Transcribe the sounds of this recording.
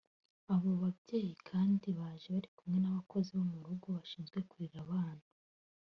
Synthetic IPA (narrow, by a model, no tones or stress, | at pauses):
aβo̞βabɟe̞ːjikʰaːndiβaːʒeβaɾikumŋe̞naβako̞ziβomuɾuɡuβaʃiːnzɡwe̞kuɾiɾaβaːn̥hu